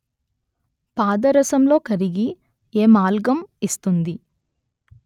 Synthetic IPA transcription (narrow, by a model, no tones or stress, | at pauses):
paːd̪ɐɾɐsɐmlo̞ːkɐɾiɡi | eːmaːlɡɐmist̪und̪i